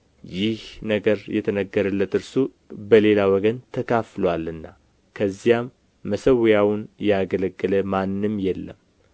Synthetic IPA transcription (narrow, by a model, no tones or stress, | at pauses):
jɪhnəɡəɾjɛt̪ʰənəɡːəɾəlːət̪ɨɾsu | bəle̞lawɔɡənt̪ʰəkʰaflwalɨnːa | kʰəzːijamː | əsəwjawnjɛaɡələɡːələmanːɨmjɛlːəm